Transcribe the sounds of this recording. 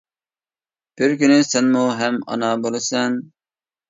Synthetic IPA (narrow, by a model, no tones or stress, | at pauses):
b̥ɪɾkʲynɪsɛnmuɦɛmɑ̰nɑbolˠɨsɛn